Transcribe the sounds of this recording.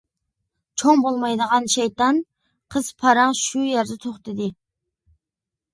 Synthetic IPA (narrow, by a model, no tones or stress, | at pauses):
t͡ʃʰoŋbolˠmɑjd̪əʁɑnʃɛjt̪ɑn | qʰəz̥pʰɑɾɑŋʃujɛɾd̪ɛt̪ʰoχt̪ɨd̪ɨ